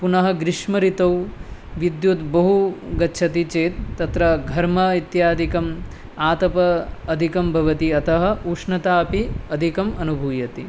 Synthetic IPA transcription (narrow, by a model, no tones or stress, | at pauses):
punɐɦɐ̆ɡɾɪʃmɐɾit̪ɐwʋid̪jut̪bɐɦuɡɐtːʃʰɐt̪it͡ʃeːt̪ːɐt̪ɾɐɡʱɐɾmɐit̪jaːd̪ʱikɐm | aːt̪ɐpɐːd̪ʱikɐmbʱɐʋɐt̪iɐt̪ɐɦɐ̆uːʂnɐt̪aːpiɐd̪ʱikɐmɐnubʱuːjɐt̪i